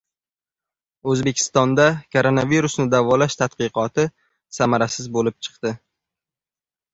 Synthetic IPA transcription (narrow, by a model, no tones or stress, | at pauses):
ɵzbe̞kʲʰɪ̥st̪ɒnd̪akʰoɾonaviɾʊsnɪd̪avɒlaʃt̪ʰat̪̚qɨqʰɒt̪ʰɪ | samaɾasɪzbolɪp̚t͡ʃʰɨ̥qt̪ɪ